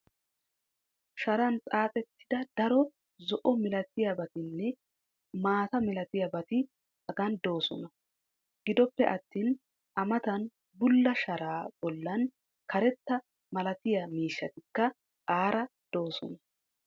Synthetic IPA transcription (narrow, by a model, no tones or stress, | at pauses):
ʃɐɾɐnt͡sʼaːt̪ʼɛt̪ːɪ̥d̪ɐd̪̥ɐɾɔ | zɔʔɔmɪlɐt̪ːɪjɐbɐt̪ɪnːɛ | maːt̪ɐmɪlɐt̪ɪjɐbɐt̪ɪ | ɐɡɐnd̪o̞ːsɔnɐ | ɡ̥ɪd̪ɔpːɛʔɐt̪ːiːn | ʔɐmɐt̪ɐn | bʊlːɐʃɐɾaːb̥ɔlːɐn | kʰɐɾɛt̪ːɐ | mɐlɐt̪ɪjɐmiːʃːɐt̪ɪkːɐ | kʼaːɾɐd̪̥o̞ːsɔnɐ